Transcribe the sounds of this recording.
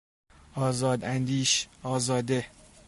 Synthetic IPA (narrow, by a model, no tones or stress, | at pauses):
ɒːzɒːd̪ænd̪iːʃɒːzɒːd̪e